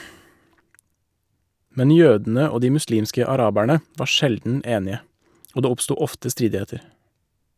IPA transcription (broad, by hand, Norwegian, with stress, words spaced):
ˈmɛn ˈjøːdn̩ə ˈoː ˈdiː mʉˈsliːmskə ɑˈɾɑːbæɳə ˈʋɑː ˈʃɛldn̩ ˈeːnɪə ˈoː ˈdeː ˈɔpˌstuː ˈɔftə ˈstɾiːdɪˌheːtəɾ